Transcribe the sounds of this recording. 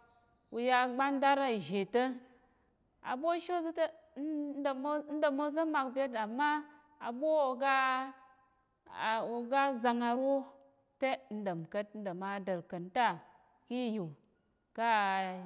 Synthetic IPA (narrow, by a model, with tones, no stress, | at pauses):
u˨ja˧ɡ͡ba˦nda˦ɾa˨ʒe˨tə˦ | a̰˨bʷo˦ʃo˦zt | m˦n̩˦də˨mo˦zə˦ma˨k̚bʲe˦ta˨mːa˦ | a˨bʷo˦o˧ɡa˦˨ | o˨ɡa˦za˧ŋa˧ɾo˦ | te˦n̩˦də˨mkə˦t̚n̩˦də˨ma˦də˨ɾkə˨nta˦˨ | ki˦ji˨ | ka˦